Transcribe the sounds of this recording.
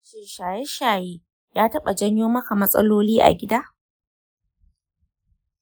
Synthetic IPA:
ʃɪ˨rʃaː˨jɛ˦ʃaː˨jeː˦ | jaː˦tɐ˦ɓa˨d͡ʒɐ˦ɲjoː˦mɐ˦ka˨mɐ˦sʼɐ̰˦loː˦liː˦ʔa̰˨ɡʲɪ˦daː˦

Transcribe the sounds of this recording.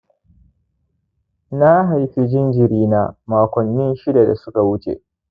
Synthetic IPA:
na˦ɦa˨jɸi˦d͡ʒɪ˦nd͡ʒɪ˨ɾiː˦naː˦maː˨kʷɔ˨nːɪ˦nʃɪ˦da˨da̰˨sʊ˦ka˨wʊ˦t͡ʃḛ˨ʔ

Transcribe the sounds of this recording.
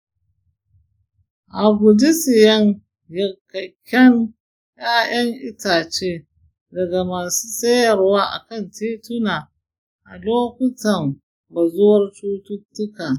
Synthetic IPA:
ʔa˨ɡʷʊ˨dɪ˦sɪ˨jɐ˦ŋ | jɐ˨kɐ˨kʲːɐ˦ŋ | jaː˦j̰ɐ˦ŋʔɪ˦taː˨t͡ʃeː˦ | dɐ˨ɡa˨maː˨su̥ː˦sɐ˦jɐ˨rwaː˦ʔa̰˨kɐ˦˨ntʰeː˦tʊ˦naː˨ | ʔa̰˨loː˦kʷʊ˦tɐ˨m | ba˨zʊ˦wɐ˦rt͡ʃuː˦tʊ˦tːʊ˦kaː˨

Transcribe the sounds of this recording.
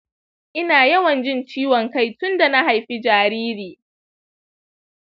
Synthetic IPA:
ʔɪ˦naː˨jɐ˦wɐ˨nd͡ʒɪ˦nt͡ʃiː˦wɔ˨ŋka˦jtʊ˦nda˨na˦ha˨jɸi˦d͡ʒaː˨ɾiː˦ɾiː˨

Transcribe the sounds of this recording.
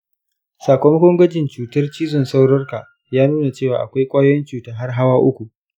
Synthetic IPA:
saː˨kʷo˦mɐ˦kʷɔ˦ŋɡʷɐ˦d͡ʒɪ˨nt͡ʃuː˨tɐ˦rt͡ʃiː˦zɔ˨nsa˦wɽɔ˦rka˨ | jaː˦nuː˦na˨t͡ʃeː˦˨waː˨ʔa˨kʷa˦jkʷʼaː˦jɔ˦nt͡ʃuː˨taː˦ɦa˦rɦa˦waː˦ʔʊ˦kʷu˨ʔ

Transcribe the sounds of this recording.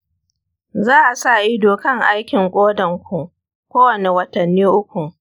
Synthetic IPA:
zaː˦ʔa˨sa˦˨ʔɪ˦doː˨kɐ˦ŋʔa˦jkʲɪ˨ŋkʷʼoː˦dɐ˨ŋkʷu˨ | kʷoː˦wɐ˨ne˨wɐ˦tɐ˨nːiː˦ʔʊ˦kʷu˨

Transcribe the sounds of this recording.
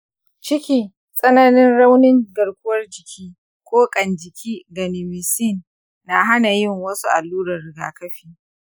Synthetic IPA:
t͡ʃɪ˦kʲiː˦ | sʼɐ˦nɐ˦nɪ˦nɽa˦wnɪ˦ŋɡɐ˨ɽkʷʊ˦wɐ˦rd͡ʒɪ˨kʲʰiː˦ | kʷʼoː˦kʼɐ˨nd͡ʒɪ˨kʲʰiː˦ɡɐ˨nɪ˨mɪ˨si˦˨nː | a˨ɦa˦na˨jɪ˦˨ŋwɐ˦su˦ʔa̰˨lːuː˦ɾɐ˨rɽɪ˨ɡa̰ː˨kɐ˦ɸiː˨

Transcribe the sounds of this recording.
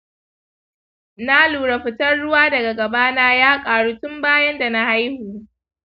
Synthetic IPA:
na˦luː˨ɽa˨ɸɪ˨tɐ˦rɽʊ˦waː˦dɐ˨ɡa˨ɡɐ˨baː˦naː˦jaː˦kʼaː˨ɽuː˦tʊ˦mbaː˦jɐ˦nda˨na˦ha˦jhuː˨

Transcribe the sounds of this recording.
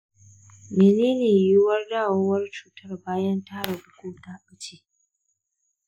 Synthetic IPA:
meː˨neː˦neː˨jʊ˦wɐ˦rdaː˦˨woː˦wɐ˦rt͡ʃuː˨tɐ˦rbaː˦jɐ˦ntaː˦ɽa˨bʊ˦kʷuː˦ta˦ɓɐ˦t͡ʃeː˦

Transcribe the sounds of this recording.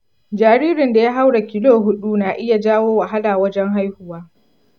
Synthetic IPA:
d͡ʒaː˨ɾiː˦ɾɪ˨nda˨ja˦ɦa˦wɽa˨kʲɪ˦loː˦˨ɦʊ˦ɗu˦naː˨ʔɪ˦ja˨d͡ʒaː˦woː˦wa˨ɦa˦laː˨wɐ˦d͡ʒɛ˦ŋɦa˦jhʊ˦waː˦

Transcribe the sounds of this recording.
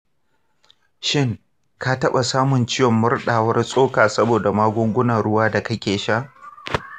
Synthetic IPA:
ʃɪ˦ŋ | kaː˦tɐ˦ɓa˨saː˦mʊ˨nt͡ʃɪ˦jɔ˨mːʊ˦rɗaː˨wɐ˦rsʼoː˦kaː˨sɐ˦boː˨da˨maː˦ɡʷʊ˦ŋɡʷʊ˦na˨ɽʊ˦waː˦da˨kɐ˦kʲeː˨ʃa˦ʔ

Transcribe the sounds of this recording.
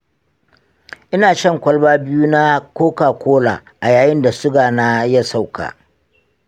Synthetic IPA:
ʔɪ˦naː˨ʃɐ˦˨ŋkʷɐ˦lbaː˦bɪ˦ju˦na˦kʷoː˦kaː˨kʷoː˦la̰ː˨ʔa˨jaː˨jɪ˦nda˨sʊ˦ɡaː˨na˦jɐ˦sa˦˨wka̰ː˨

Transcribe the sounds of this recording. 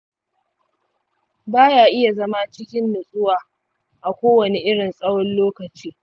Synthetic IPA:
baː˦jaː˨ʔɪ˦ja˨zɐ˦ma˦t͡ʃɪ˦kʲɪ˦nːʊ˨sʼʊ˦waː˨ | ʔa˨kʷoː˦wɐ˨ne˨ʔɪ˦ɽɪ˨nsʼɐ˦wɔ˦nloː˦kɐ˨t͡ʃiː˦

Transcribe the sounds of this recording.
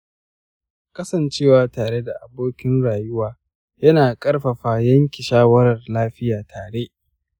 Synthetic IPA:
kɐ˦sɐ˨nt͡ʃeː˦˨waː˨taː˨ɾe˦da˨ʔa˨boː˦kʲɪ˦nɽaː˨jʊ˦waː˨ | jɐ˦naː˨kʼɐ˦rɸɐ˨ɸaː˨jɐ˦ŋkʲi˨ʃaː˦wɐ˦ɾɐ˨rlaː˦ɸɪ˦jaː˨tʰaː˨ɽe˦ʔ

